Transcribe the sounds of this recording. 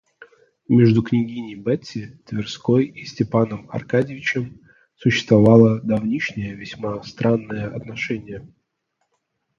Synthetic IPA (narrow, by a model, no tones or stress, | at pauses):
mʲeʐd̪ʊknʲɪɡʲinʲɪjbɛtʲːɪt̪vʲɪrskojisʲtʲɪpanəmɐ̰rkadʲɪvʲɪt͡ɕɪm | sʊɕːɪst̪vɐvɑlˠəd̪ɐvnʲiʂnʲɪjəvʲɪsʲmast̪ɾanːɨjəʔɐt̪nɐʂɛnʲɪjə